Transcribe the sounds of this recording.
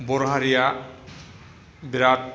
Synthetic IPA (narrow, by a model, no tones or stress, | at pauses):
boɾɦaɾija | biɾat̪